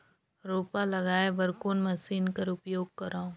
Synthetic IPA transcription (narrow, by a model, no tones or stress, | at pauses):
ɾoːpalɐɡaːebɐɾkoːnmɐsiːnkɐɾʊpjoːɡ̚kɐɾaːũː